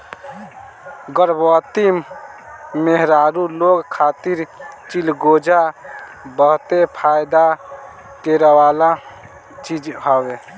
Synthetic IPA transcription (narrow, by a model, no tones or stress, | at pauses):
ɡəɾbɔt̪im | meɦɾaɾuloɡkʰat̪iɾt͡ʃilɡod͡ʒa | bəɦt̪epʰajd̪a | ʈeɾəwala | t͡ʃid͡ʒɦəwe